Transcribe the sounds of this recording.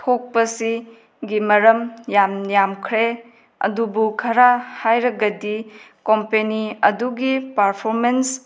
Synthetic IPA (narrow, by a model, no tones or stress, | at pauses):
tʰok̚pɐsi | ɡimɐɾɐmjamnijamkʰɾe | ɐ̰dubukʰɐɾahajɾɐɡɐdi | kompeniɐduɡipɐɾpʰoɾmens